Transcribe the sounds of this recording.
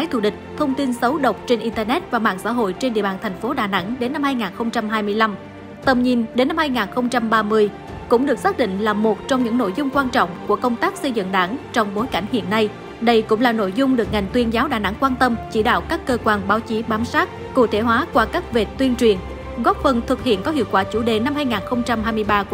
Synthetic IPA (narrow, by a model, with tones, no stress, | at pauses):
a˨˦jt̪ʰṵ˧˩ɗï˨˩k̟̚t̪ʰə˧wŋ͡mt̪i˧nsə˨˦wɗə˨˩wk͡p̚t͡ɕe˧nʔi˧nt̪əː˧nɛ˦˥t̚vaː˨˩ma̰ː˧˨nsa̰ː˧˥ɦo̰˧˨jt͡ɕe˧nɗḭ˧˨əɓaː˨nt̪ʰɛ˨˩jŋ̟fo˨˦ɗaː˨˩na̰˧˥ŋɗe˨˦nːa˧mhaː˧jŋaː˨˩nxə˧wŋ͡mt͡ɕa˧mɦaː˧jmɨ˧əjla˧m | t̪ə˨˩mɲi˨˩nɗe˨˦nːa˧mhaː˧jŋaː˨˩nxə˧wŋ͡mt͡ɕa˧mɓaː˧mɨ˧əj | kʊ̰˧˥ŋ͡mɗɨ˨˩ək̚saː˦˥k̚ɗḭ̈˧˨ŋ̟laː˨˩mo˨˩t̚t͡ɕɔ˧wŋ͡mɲɨ̰˧˥ŋno̰˧˨jzʊ˧ŋ͡mkwaː˧nt͡ɕɔ̰˧˨wŋ͡mku˧˩əkə˧wŋ͡mt̪aː˦˥k̚sə˧jzɨ̰˧˨ŋɗa̰ː˧˥ŋt͡ɕɔ˧wŋ͡mɓo˨˦jka˧˩jŋ̟hḭ˧˨ənːa˧j | ɗə˧jkʊ̰˧˥ŋ͡mlaː˨˩no̰˧˨jzʊ˧ŋ͡mɗɨ˨˩ək̚ŋa˨˩jŋ̟t̪wi˧ənzaː˨˦wɗaː˧˨˩na̰˧˥ŋkwaː˧nt̪ə˧mt͡ɕi˧˩ɗa̰ː˧˨wkaː˦˥kːəː˧kwaː˧nɓaː˨˦wt͡ɕi˨˦ɓaː˨˦msaː˦˥t̚ | kṵ˧˩t̪ʰe˧˩ɦwaː˨˦kwaː˧kaː˦˥k̚ve˨˩t̪wi˧ənt͡ɕwi˨˩ən | ɣɔ˦˥p̚fə˨˩nt̪ʰɨ˨˩t̚hḭ˧˨ənkɔ˨˦hḭ˧˨əwkwaː˧˩t͡ɕu˧˩ɗe˨˩na˧mhaː˧jŋaː˨˩nxə˧wŋ͡mt͡ɕa˧mhaː˧jmɨ˧əjɓaː˧˩